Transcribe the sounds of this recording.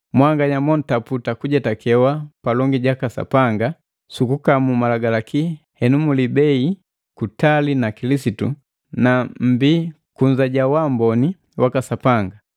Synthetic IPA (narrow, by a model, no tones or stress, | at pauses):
mwaŋɡaɲamɔn̩taputakuɟɛtakɛwapalɔŋɡiɟakasa̰paŋɡa | sukukamumalaɡalaki | hɛnumulibɛi | kutalinakilisitṵ | nam̩bi | kuɲzaɟawambɔni | wakasapaŋɡa